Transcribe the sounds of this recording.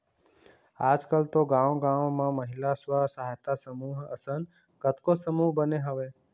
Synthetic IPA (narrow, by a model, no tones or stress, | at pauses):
aːd͡ʒkəlt̪oɡãːʋɡãːʋmãməɦɪlaswasaɦt̪asəmuːɦə̰sən | kət̪kosəmuːɦbəneɦəʋeː